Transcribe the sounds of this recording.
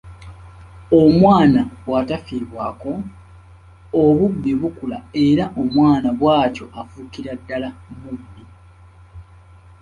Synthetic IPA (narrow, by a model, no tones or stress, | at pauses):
omwaːnawatafiːβwaːko̞ | oβubːiβukula̰e̞ɾaʔomwaːnaβwaːco̞ʔafukiɾadːalamubːi